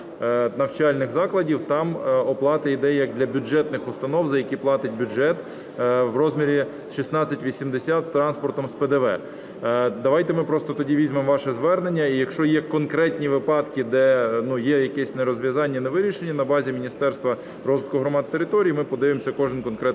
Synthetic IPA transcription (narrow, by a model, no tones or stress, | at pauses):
nɐwt͡ʃɑlʲnɪxzɑklˠɐdʲiwt̪ɑmɔplˠɑt̪ɐid̪ɛjjɐɡ̚d̪lʲɐbʲʊd͡ʒɛt̪nɪxʊst̪ɐnɔwzɐjɐkʲiplˠɑt̪ɪt̚ʲbʲʊʒɛt̪ | wrɔzʲmʲiɾʲi | ʃisnɑt͡sʲːɐtʲʋʲisʲimd̪esʲat̪st̪ɾɑnspɔrt̪ɔmspɛd̪ɛʋɛ̰ | d̪ɐʋɑjt̪ɛmɪpɾɔst̪ɔt̪ɔdʲiʋʲizʲmɪmʋɑʃɛzʋɛrnenʲːɐijɐkʃt͡ʃɔjɛkɔnkɾɛtʲnʲiʋɪpɑd̪kɪd̪ɛnujɛjɐkɛsʲneɾɔzʲʋʲjɐzɑnʲːɐneʋɪɾʲiʃenʲːɐnɐbɑzʲimʲinʲist̪ɛrst̪ʋɐ | ɾɔzɪt̪kʊɦɾɔmɑd̪̚t̪eɾɪt̪ɔɾʲijimɪpɔd̪ɪʋemsʲɐkɔʒɪnkɔnkɾɛ